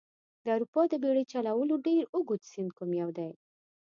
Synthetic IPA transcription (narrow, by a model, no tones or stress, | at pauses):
d̪əawɾupɑd̪əbeɽet͡ʃalawəloɖeɾʊɡut̪sɪnd̪̚kumjawd̪aj